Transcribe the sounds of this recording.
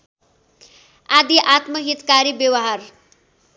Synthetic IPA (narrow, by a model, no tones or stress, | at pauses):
ad̪iʔat̪mʌɦit̪kaɾibjʌwʌɦar